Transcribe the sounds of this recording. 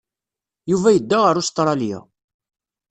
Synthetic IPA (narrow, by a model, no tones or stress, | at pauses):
juvæjəd̪ːaʁəɾust̪ˤɾˤɑlja̰